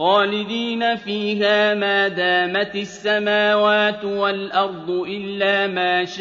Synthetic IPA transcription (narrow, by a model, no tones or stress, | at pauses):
xɑːlɪd̪iːnafiːɦaːmaːd̪aːmat̪ɪsːamaːwaːt̪walʔɑɾˤd̪ˤʊʔɪlːaːmaːʃ